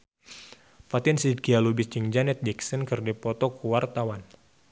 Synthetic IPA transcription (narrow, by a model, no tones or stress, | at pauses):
pat̪insid̪ɡialubist͡ʃiŋd͡ʒanɛt̪̚d͡ʒiksənkɨrdipɔt̪ɔkuwart̪awan